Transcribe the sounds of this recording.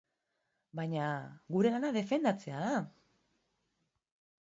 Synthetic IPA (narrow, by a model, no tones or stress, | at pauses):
bajɲaɣuɾe̞lanaðe̞fe̞nd̪at͡se̞aða